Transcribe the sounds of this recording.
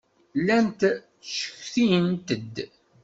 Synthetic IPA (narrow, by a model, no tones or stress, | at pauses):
lænt̪ | ʃə̥çθint̪əd̪